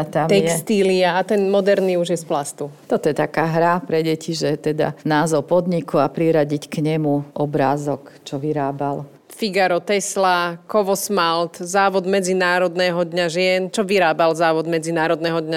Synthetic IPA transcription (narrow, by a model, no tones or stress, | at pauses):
t̪amt̪ɛjkst̪iliaat̪ɛnmɔd̪ɛɾniːuʒjɛsplast̪ut̪ɔt̪ɔjɛt̪akaːɦɾapɾɛɟɛciʒɛt̪ɛd̪a̰naːzɔʊpɔd̪ɲikuapɾiɾaɟickɲɛmuʔɔbɾaːzɔkt͡ʃɔʋiɾaːbal | fiɡaɾɔt̪ɛslakɔʋɔsmalt̪zaːʋɔd̪mɛd͡zinaːɾɔd̪nɛɦɔd̪ɲaʒɪɛnt͡ʃɔʋiɾaːbalzaːʋɔd̪mɛd͡zinaːɾɔd̪nɛːɦɔd̪ɲa